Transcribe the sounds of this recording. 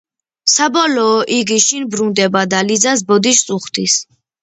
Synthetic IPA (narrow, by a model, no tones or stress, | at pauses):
sabɔlɔːʔiɡiʃinbɾund̪ɛbad̪alid̪zas̬bɔd̪iʃt̪sʼuχt̪ʰis